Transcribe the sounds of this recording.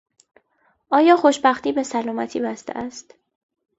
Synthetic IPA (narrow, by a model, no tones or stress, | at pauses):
ʔɒːjɒːxo̞ʃbæxt̪iːbe̞sælɒːmæt̪ʰiːbæst̪ḛʔæst̪